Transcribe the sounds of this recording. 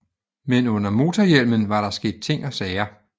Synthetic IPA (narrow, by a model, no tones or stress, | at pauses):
menɔ̽n̰ɐmo̝ːt͡sʰɒjel̰mənʋɑ̈ɾ̥ɑ̈sɡ̥e̝̰ːd̥̚t͡sʰe̝ŋ̰ɒ̽sɛːɐ